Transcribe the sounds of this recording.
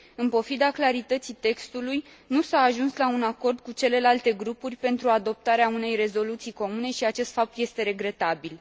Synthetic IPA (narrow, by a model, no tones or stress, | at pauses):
ɨnpo̞fid̪aklaɾit̪ət̪sit̪e̞kst̪uluj | nusaːʒunslaunako̞rd̪̚kut͡ʃe̞le̞lalt̪e̞ɡɾupurʲpe̞nt̪ɾuad̪o̞p̚t̪aɾeaune̞jre̞zo̞lut̪sijko̞mune̞ʃiat͡ʃe̞st̪fap̚t̪je̞st̪e̞ɾe̞ɡɾe̞t̪abil